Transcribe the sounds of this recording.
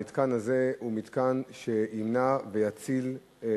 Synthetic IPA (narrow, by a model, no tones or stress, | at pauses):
it̪kanhaze̞humit̪kanʃeinavejat͡sil